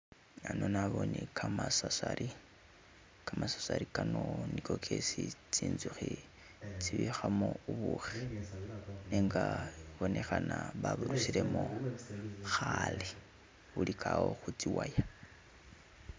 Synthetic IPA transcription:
anonaβonikʰamasasaɾʔi | kamasḁsaɾikanonikokʰesit͡siːnzuxi | t͡siβixamouβuxi | neŋɡaβonexanaβaβurusilemo | xale | βulikʰawo̞xut͡siwaja

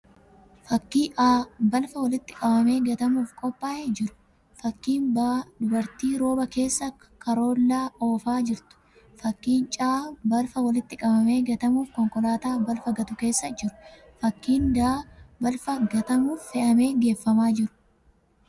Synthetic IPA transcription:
fɐkːiːʔaːbɐlfɐwɐlɪt̪ːɪ̥kʼɐbɐme̞ːɡɐt̪ɐmuːfkʼɔpʼːaːʔɛd͡ʒɪɾʊ̥ | fɐkːiːnbad̪ʊbɐɾt̪iːɾo̞ːbɐke̞ːsːɐ | kʰɐɾo̞ːlːaːʔoːfaːd͡ʒɪɾt̪ʊ̥ | fɐkːiːnt͡ʃʼaːbɐlfɐwɐlɪt̪ːɪkʼɐbɐme̞ːɡɐt̪ɐmuːfkɔŋkɔlaːt̪aːbɐlfɐɡɐt̪ʊke̞ːsːɐd͡ʒɪɾʊ̥ | fɐkːiːnd̪aːbɐlfɐɡɐt̪ɐmuːfːɛʔɐme̞ːɡe̞ːfːɐmaːd͡ʒɪɾʊ̥

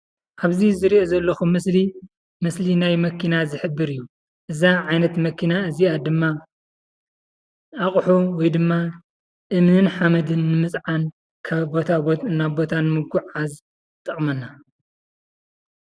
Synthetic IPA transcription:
ʔaβzizɨɾiʔozɐlːɐxumɨsli | mɨslinajmɐkʰinazɨħɨbːɨɾijːu | ʔɨzaʕajnɐt̪mɐkʰinaɨziad̪ɨmːa | aχʼħuwɔjd̪ɨmːa | ʔɨmnɨnħamɐd̪ɨnːɨmɨt͡sʼʕan | kʰabot̪ʰaɨnːabo̞t̪ʰanɨmɨɡuʕaz | t̪ʼɐχʼmɐnːa

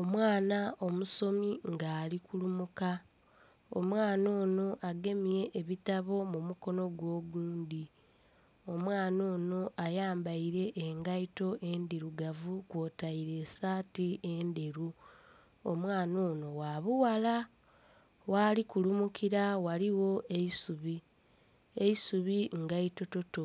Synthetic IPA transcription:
o̞mwaːnao̞muso̞miŋɡaːlikulumuka | omwaːno̞ːno̞ʔaɡe̞mije̞ʔːβitaβo̞mumuko̞no̞ɡwo̞ːɡuːndi | o̞mwaːno̞ːno̞ʔajaːmbaiɾe̞ʔːŋɡaito̞ʔe̞ndiɾuɡavukwo̞taiɾe̞ːsaːtiendeɾu | omwaːno̞ːno̞waβuwala | waːlikulumukiɾawaliwo̞eisuβi | eisuβiŋɡaito̞to̞to

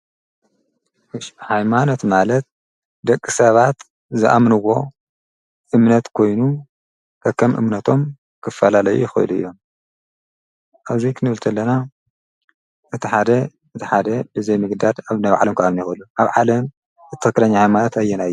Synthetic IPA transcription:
ʃħajmano̞t̪malɐt̪̚ | d̪ɐkʼːɨsɐβat̪ | zɨʔa̰mnɨwːo̞ | ʔɨmnɐt̪kʰo̞jnu | kʰɐkʰːɐmʔɨ̰mnɐt̪ʰo̞m | kʰɨfɐlalɐjṵjɪxɐ̰ɨ̰luɨ̰jːo̞m | ʔaβzikʰɨnɨβɨlt̪ʰɐlːɐna | ʔɨt̪ʰiħad̪ɐ | ɨt̪ʰiħad̪ɐbɨzejmɨɡd̪ad̪aβnaβʕa̰lɐmkʰɐamnajxɨlːuʔaβʕalɐm | ɨt̪ːɨxɨkːɨlɐɲːahajmanot̪ajːɛnajːu

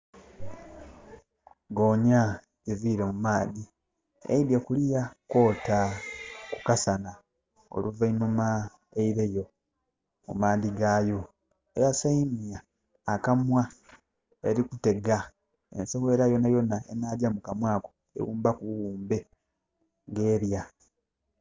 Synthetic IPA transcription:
ɡo̞ːɲa | eviɾemumaːdi | ḛidjekulijako̞ːtakukasana | o̞̰luvainuma | eiɾe̞jo̞ | mṵmaːdiɡaːjo̞ | ejasaimjaː | kamwa | eɾikute̞ɡa | ḛnsewe̞ːɾajo̞najo̞naḛnaːdjamukamwaːko | ḛwuːmbakuwuːmbe̞ | ŋɡe̞ːɾja

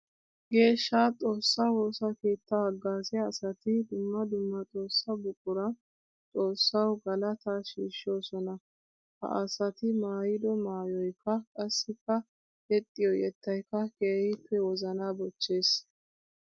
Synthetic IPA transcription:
ɡe̞ːʃːaːt͡sʼo̞ːsːaho̞ːsake̞ːt̪ːɐhɐɡːaːsɛːsɐt̪ɪd̪ʊmːɐd̪ʊmːɐt͡sʼo̞ːsːɐbʊkʼːʊɾɐ | t͡sʼo̞ːsːɐwɡɐlɐt̪aːʃiːʃo̞ːsɔnɐ | hɐ̰ʔɐsɐt̪ɪmaːjɪd̪ɔmaːjɔjkːɐkʼɐsːɪkːɐ | ɛt̪ʼːɪjɔjɛt̪ːɐjkːɐkeːhɪpʰːɛwɔzɐnaːbɔt͡ʃːe̞ːs

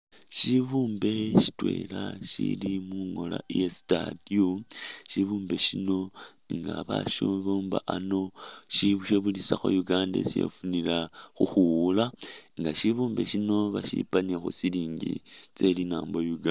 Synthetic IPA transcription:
ʃiβuːmbe̞ʃi̥twe̞̰ːlaʃḭlimuŋo̞lajesi̥tadioʃiβuːmbe̞ʃino̞ | ŋɡaβaʃuːmβoːmbaʔano̞ʃiβuʃeβulisaxo̰juɡaːndḛsijḛfunilaxuxuulaŋɡaʃiβuːmbe̞ʃino̞βaʃḭpanexosiliːɲɟḭt͡se̞linaːmbojuɡa

